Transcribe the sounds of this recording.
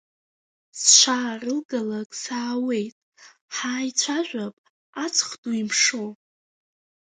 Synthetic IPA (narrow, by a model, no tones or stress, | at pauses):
sʃʷʰaːrɨlɡalakʼsaːwe̞jtʼ | ħaːjt͡sʷʰaʒᶣʷapʼ | at͡sʰʼχduimʂo